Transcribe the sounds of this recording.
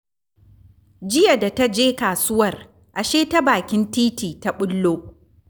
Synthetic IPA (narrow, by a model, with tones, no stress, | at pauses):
d͡ʒɪ˦ja˨da˨ta˦d͡ʒeː˦kaː˨sʊ˦wɐ˦˨r | ʔa˨ʃeː˦ta˦baː˨kʲɪ˦ntiː˦tiː˨ta˦ɓʊ˦lːoː˦ʔ